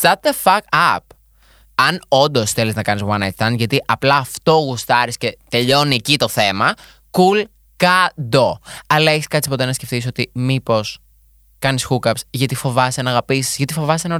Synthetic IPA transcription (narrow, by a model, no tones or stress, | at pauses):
st̪ɐt̪efɐkɐp | ɐno̞nd̪o̞sθe̞liznɐkɐnizwɐnɐjt̪θɐnʝɐt̪iʔɐplɐːft̪o̞ɣust̪ɐɾisce̞t̪e̞ʎo̞niecit̪o̞θe̞mɐ | kul | kɐd̪oɐlɐeçiskɐt̪t͡si̥po̞t̪e̞nɐsce̞fθiso̞t̪imipo̞s | kɐnisxukɐpsʝɐt̪ifo̞vɐsɐnɐɣɐpiszʝɐt̪ifo̞vɐseno